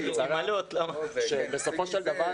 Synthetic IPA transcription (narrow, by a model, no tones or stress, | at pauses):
alt̪lamaʃebeso̞fo̞ʃeld̪ava